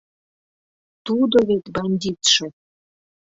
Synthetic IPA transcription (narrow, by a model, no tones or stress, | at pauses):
t̪ud̪oβet̪bɑnʲd̪ʲit̪ʃĕ